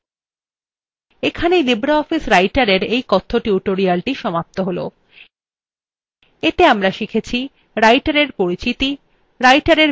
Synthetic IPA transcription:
ekʰanejlibɾaɔfisɾajʈaɾeɾejkɔt̪ʰːoʈuuʈoɾialʈiʃɔmap̚t̪oɦolo̰ | et̪eamɾaʃikʰet͡ɕʰi | ɾajʈaɾeɾpoɾit͡ɕit̪i | ɾajʈaɾeɾ

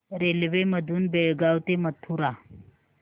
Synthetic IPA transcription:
ɾelʋeməd̪ʱuːnbeɭɡawt̪emət̪ʰuɾa

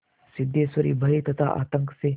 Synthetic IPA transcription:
sid̪jesʋəɾḭːbʱəɦit̪ət̪ʰa̰ʔa̰t̪əŋkse

